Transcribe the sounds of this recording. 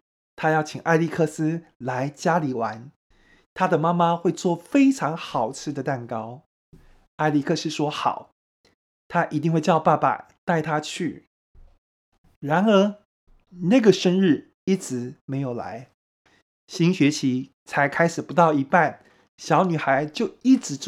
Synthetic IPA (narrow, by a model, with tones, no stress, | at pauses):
t̪ʰa˥jɑ˥˩ʊt͡ɕʰi˨˩ŋʔa˥˧ɪli˥˧kʰɤ˥˧sɹ̩˥la˧˦˥ɪt͡ɕja˥li˨˩wa˧˦n | t̪ʰa˥d̪ə˨ma˥ma˦xwe˥˧ɪt͡swɔ˥˩fe˥ɪʈ͡ʂʰɑ˧˥ŋxɑ˨˩ʊt͡sʰɹ̩˥˩d̪ə˩t̪a˥˩nkɑ˥ʊ | a˥˧ɪli˥˩kʰɤ˥˧sɹ̩˥ʂwɔ˥xɑ̰˨˩˦ʊ | t̪ʰa˥ʔi˧˥t̪̬i˥˧ŋxwe˥˧ɪt͡ɕjɑ˥˧ʊpa˥˧pa̰˧˩ | t̪a˥˩ɪt̪ʰa˥t͡ɕʰy˥˩ | ɻa˧˥nə˞˧˥ | na˥˩ɡə˩ʂə˥nɻ̩˥˩ | i˥˩t͡sɹ̩˨˩˦me˧˥ɪjo˨˩ʊla̰˧˦ɪ | ɕi˥ŋɕɥɛ˧˥t͡ɕʰi˧˥ | t͡sʰa˧˥ɪkʰa˥ɪʂɻ̩˨˩pu˧˥t̪ɑ˥˩ʊi˧˥pa˥˩n | ɕjɑ˧˥ʊny˨˩xa˧˥ɪt͡ɕjo˥˧ʊi˥˩ʈ͡ʂɻ̩˨˥